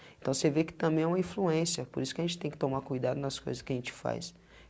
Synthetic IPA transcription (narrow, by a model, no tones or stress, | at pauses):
ẽnt̪ɐ̃w̃sevekɪ̥t̪ɐ̃mbẽj̃ɛũmɐĩfluẽsiɐpoɾisʊ̥kɪɐʒẽnt͡ʃɪ̥t̪ẽj̃kɪt̪omaɾkujd̪ad̪ʊnɐsko̰jzɐskɪɐʒẽnt͡ʃɪ̥fa̰js